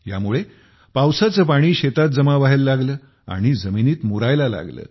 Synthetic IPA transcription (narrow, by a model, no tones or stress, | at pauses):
ja̰muɭe | pawsat͡səpaɽ̃iːɕet̪at̪̚d͡zəmaʋaɦelːaɡləː | a̰ɽ̃id͡zəminiːt̪muɾajlala̰ɡlə̰ː